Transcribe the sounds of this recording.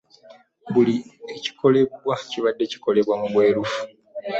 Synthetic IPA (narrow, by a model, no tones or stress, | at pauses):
βulieci̥ko̞le̞βwaciβadːe̞ci̥ko̞le̞βwamuβwe̞ːɾufu̥